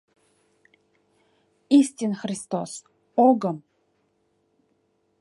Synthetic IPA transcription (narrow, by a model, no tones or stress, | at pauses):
istinxrist̪o̰s | oɡəm